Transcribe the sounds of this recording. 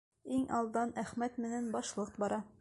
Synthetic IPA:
iŋʔɑlˠd̪ɑnæχmæt̪mɘ̆nænbɒʃlˠɤqbɒɾɑ

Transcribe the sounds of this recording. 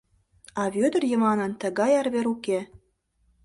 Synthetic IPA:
ɑβød̪ə̆rjə̆mɑnɤnt̪ə̆ɣɑjɑrβeɾuke

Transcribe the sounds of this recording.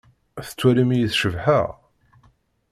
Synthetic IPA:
θə̥t͡sːwæɾimijəθʃəvħaʁ

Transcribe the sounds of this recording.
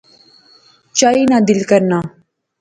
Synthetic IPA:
t͡ʃaːiːnad̪ɪlkəɾnaː

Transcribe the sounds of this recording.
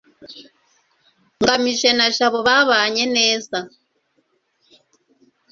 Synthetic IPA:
ŋɡamiʃɛnaʃaβɔβaβaɲɛnɛːsa

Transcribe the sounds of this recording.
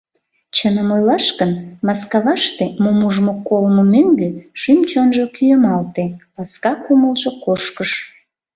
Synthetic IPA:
t͡ɕənəmojlɑʃkənmɑskɑβɑʃt̪emomuʒmokolmomøŋɡøʃymt͡ɕonʒokyjəmɑlt̪elɑskɑkuməlʒokoʃkəʃ

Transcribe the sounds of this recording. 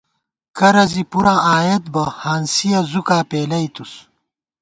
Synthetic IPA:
kɐɾɐzipuɾãːʔaːjet̪̚bɐhaːnsijɐzukaːpeːlɐit̪us

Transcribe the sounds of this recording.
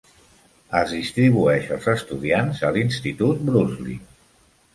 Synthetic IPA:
əzðist̪ɾiβ̞uɛʃəlˠzəst̪uðianzəlinst̪it̪ut̪̚bɾuzlḭ

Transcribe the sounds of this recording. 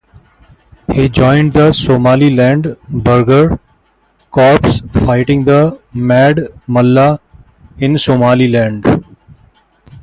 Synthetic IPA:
hiːd͡ʒɔ̃ːɪ̃ɳɖ̚d̪əsoːmaːlilɛ̃ːɳɖbəɾɡəɾ | kɔːɾpsfaɪʈɪ̃ŋɡd̪əmɛːɖməlːa | ɪ̃nsoːmaːlilɛ̃ːɳɖ

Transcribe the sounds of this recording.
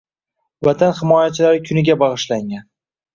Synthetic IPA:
vat̪ʰanhɪmɒjat͡ʃʰɪlaɾɪkʲʰʊnɪɡʲabɑʁɨʃlaŋʲan

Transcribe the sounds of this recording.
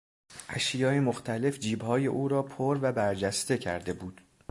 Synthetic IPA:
ʔæʃjɒːjemoxt̪ʰæle̞fd͡ʒiːbhɒːje̞ʔuːɾɒːpʰoɾvæbæɾd͡ʒæst̪e̞cʰæ̰ɾd̪e̞buːd̪̥

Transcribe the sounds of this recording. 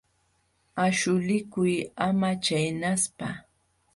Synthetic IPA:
aʃʊlɪkʊjamat͡ʃajnaspa

